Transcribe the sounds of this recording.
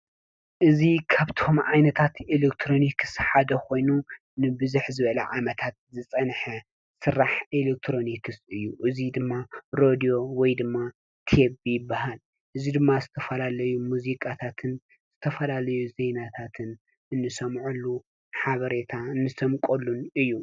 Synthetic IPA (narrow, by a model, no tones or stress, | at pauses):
ʔɨzikʰaβt̪ʰo̞mʕajnɐt̪ʰat̪elekt̪ʰɾo̞nikɨ̥sħad̪ɐkʰo̞jnu | nɨbɨzuħzɨβɐlɐ̰ʕamɐt̪ʰat̪̚zɨt͡sʼɐnħɐ | sɨrːaħʔelek̚t̪ʰɾo̞nikʰɨsɨjːuʔɨzid̪ɨmːaɾod̪io̞wɔjd̪ɨmːa | t̪ʰebjɪbːahal | ʔɨzid̪ɨmːazɨt̪ʰɐfɐlalɐjumuzikʼat̪ʰat̪ʰɨn | z̥ɨt̪ʰɐfɐlalɐjuze̞nat̪ʰat̪ʰɨn | ɨnːɨsɐmʕulːu | ħaβɐɾet̪ʰaɨnːɨsɐmkʼolːunɨjːu